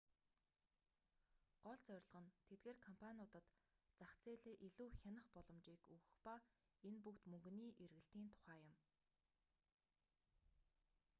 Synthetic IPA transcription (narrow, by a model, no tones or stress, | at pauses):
ɢ̥ɔɮt͡sœɾ̆ʲɮ̆ʁə̆nt̪ʰet̪̚ɡeːrkʰɔmpʰanʲʊːt̪ə̆t̪ | t͡saχt͡sʰeːɮeːʔiɮuːxʲanə̆χpɔɮɞ̆mt͡ɕiːkɵɣɵ̆xpa | enpukt̪mɵŋɡ̆niːʔerɣɘ̆ɬt̪iːnt̪ʰʊ̥χæːjʊ̆m